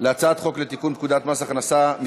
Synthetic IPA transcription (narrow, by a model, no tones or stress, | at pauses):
leat͡sat̪χo̞klet̪ikunpkud̪at̪masaχnasami